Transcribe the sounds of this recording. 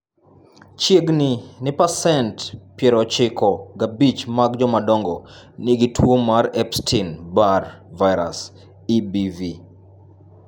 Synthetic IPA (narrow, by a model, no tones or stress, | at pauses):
t͡ʃjeɡninɪpasɛntpjɛɾɔt͡ʃɪkʰɔɡabit͡ʃmaɡd͡ʒɔmadɔŋɡɔniɡitʰwomaɾɛpstʰinbarvaɪɾa̰s | ibivi